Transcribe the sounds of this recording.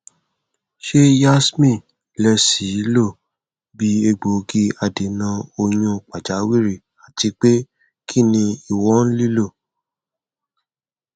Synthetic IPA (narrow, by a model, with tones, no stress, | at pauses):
ʃe˦ja˦smĩ˦˨ | lɛ˧si˨˦lo˦˨ | bi˨˦e˧ɡ͡bo˨˧ɡi˧a˧de˨nã˧o˧ɲũ˧k͡pa˨d͡ʒa˨˦wi˦ɾi˦˨ | a˨ti˨˧˦k͡pe˦ | kʰi˦˨nĩ˧i˨wɔ˦n̩˦li˦lo˦˨